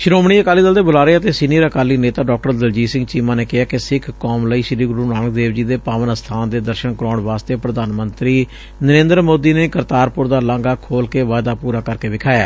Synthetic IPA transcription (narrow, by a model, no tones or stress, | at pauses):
ʃʊɾoːmɳ̃iːəkaːliːd̪əld̪eːbʊlaːɾeeːət̪eːsɪniəɾəkaːliːneːt̪aːɖɔːk̚ʈəɾd̪əld͡ʒiːsɪ̃ŋɡt͡ʃiːmaːneːkɪɦaːkɪsɪkʰkɔːmləiːʃɾiːɡʊɾuːnaːnək̚d̪eːʋd͡ʒiːd̪eːpaːʋənəst̪ʰaːnd̪eːd̪əɾʃənkəɾɔːɳʋaːst̪eːpɾəd̪aːnmənt̪ɾiː | nəɾẽːnd̪əɾmoːd̪iːneːkəɾt̪aːɾpʊɾd̪aːlãŋɡaːkʰoːlkeːʋaːd̪aːpuːɾaːkəɾkeːʋɪkʰaːjaː